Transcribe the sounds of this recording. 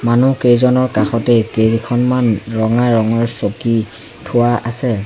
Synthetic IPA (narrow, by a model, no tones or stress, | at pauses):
manukejzɔnɔɹkaxɔtɛkeɹikʰɔnmanɹɔŋaɹɔŋɔɹsoki | tʰʊwaʔasɛ